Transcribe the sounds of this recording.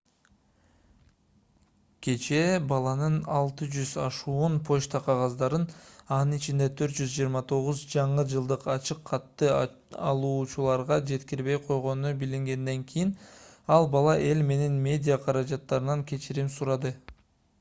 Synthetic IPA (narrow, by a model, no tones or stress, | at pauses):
kʰe̞t͡ʃe̞bɑlˠɑnɯnɑlˠt̪ɯd͡ʒyzɑʃuːunpʰo̞ʃt̪ɑqʰɑʁɑzd̪ɑɾɯnɑnɯnit͡ʃind̪e̞t̪ʰøɾt̪̚d͡ʒyzd͡ʒijɾmɑt̪ʰo̞ʁuzd͡ʒɑɴɯd͡ʒɯlˠd̪ɯqɑt͡ʃɯqʰːɑt̪ːɯ | ɑlˠuːt͡ʃulˠɑɾʁɑd͡ʒe̞t̪kiɾβe̞jqʰo̞jʁo̞nubiliŋɡe̞nd̪e̞ŋkʲʰijinɑlˠbɑlˠɑʔe̞lme̞ne̞nmʲe̞dʲijaqʰɑɾɑd͡ʒɑt̪ːɑɾɯnɑŋkʲʰe̞t͡ʃiɾimsuɾɑd̪ɯ